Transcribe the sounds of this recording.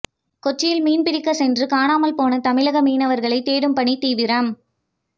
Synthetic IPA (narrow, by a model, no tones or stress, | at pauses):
kɔt͡ʃːɪjɪlmiːnpɪɾɪkːɐsɛndrɯkaːnaːmɐlpoːnɐt̪ɐmɪlɐɣɐmiːnɐʋɐɾɣɐɭɐɪt̪eːɾɯmpɐɳit̪iːʋɪɾɐm